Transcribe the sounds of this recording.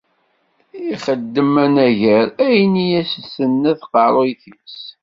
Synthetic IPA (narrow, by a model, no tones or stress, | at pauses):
iχəd̪ːəmænæʝəɾæjnijæsəsənːæθqɑɾˤojθit͡s